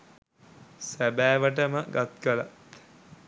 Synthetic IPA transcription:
sæbæːʋəʈ̬əməɡat̪̚kəla̰t̪

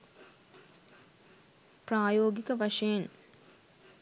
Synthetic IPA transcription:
praːjoːɡikəʋaʂɐjen

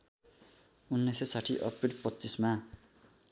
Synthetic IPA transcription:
unːesesaʈʰiʔʌprilpʌtːt͡sisma

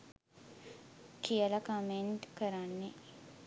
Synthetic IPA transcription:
kijələkomeɳʈkəɾanːe

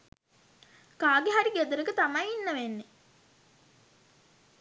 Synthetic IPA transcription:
kaːɡeɦaɾiɡed̪əɾəkət̪amajinːəʋenːe

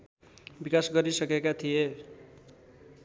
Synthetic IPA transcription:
bikasɡʌɾisʌkekat̪ʰije

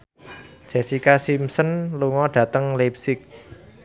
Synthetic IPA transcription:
d̥ʒ̥ɛ̤sikasimsənluŋɔɖ̥ä̤t̪əŋlep̚sɪk̚

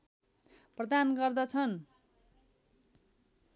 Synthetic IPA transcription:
prʌd̪anɡʌrd̪ʌt͡sʰʌn

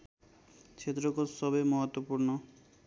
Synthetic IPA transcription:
t͡ʃʰet̪ɾɔkosɔbemɔɦɔt̪wɔpuɾnɔ

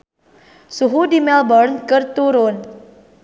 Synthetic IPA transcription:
suɦudimɛlbɔrnkərt̪uɾʊn

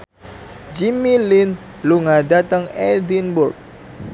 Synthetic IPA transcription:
d͡ʒimilin | luŋadat̪əŋɛdinbʊrk̚

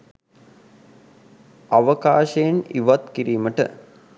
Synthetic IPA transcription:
ɐʋɐkaːʃeːniʋɐt̪kiɾiːməʈə̰

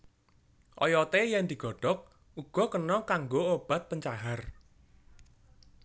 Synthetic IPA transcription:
ʔɔ̰jɔt̪ejɛnd̪i̤ɡ̥ɔ̤ɖ̥ɔ̤k̚ | uɡ̥ɔ̤kənɔkaŋɡoob̥a̤t̪̚pəɲt͡ʃaɦar

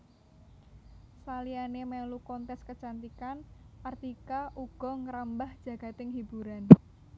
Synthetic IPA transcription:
salianemɛlukɔnt̪ɛskət͡ʃant̪ikanart̪ikaʔuɡ̥ɔ̤ŋəɾambahd̥ʒ̥ä̤ɡ̥a̤t̪ɪŋɦib̥uɾan

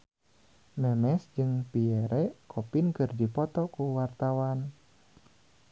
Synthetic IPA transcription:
mɛmɛsd͡ʒɨŋpiɛɾɛkʰopinkɨrdipɔt̪ɔkuwart̪awan

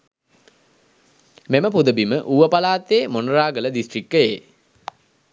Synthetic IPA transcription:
meməpud̪əbiməʔuʋəpalaːt̪eːmonraːɡələd̪isʈrikːəjeː

